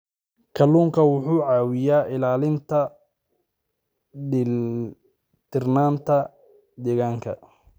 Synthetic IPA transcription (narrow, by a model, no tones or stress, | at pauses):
kʰɐlːuːŋkʰɐwʊħuːʕɑːwɪjaːʔɪlaːlɪnt̪ʰɐ | t̪ʰɪrnaːnt̪ʰɐ | d̪ɛːɣaːŋkʰɐ̰